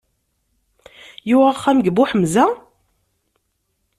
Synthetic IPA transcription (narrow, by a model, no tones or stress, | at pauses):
juaχːæmɡəbuħəmzæ